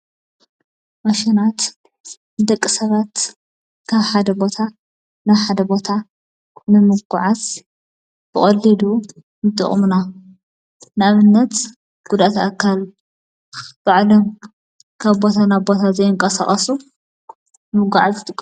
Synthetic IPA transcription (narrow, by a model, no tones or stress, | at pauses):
mɐʃinat̪ | d̪ɐkʼːisɐβat̪ | kʰaβħad̪ɐbo̞t̪ʰa | naβħad̪ɐbo̞t̪ʰa | nɨmɨɡuʕaz | b̥ɨχʼɐlːid̪u | nɨt̪ʼɨ̰χʼmna | naβɨnːɐt̪ | ɡ̥ud̪at̪akʰːal | b̥aʕlom | kʰaβbo̞t̪ʰanaβbo̞t̪ʰazɐjɪŋkʼɐsa̰χʼɐsu | mɨɡuʕazɨt̪ʼɨkʼ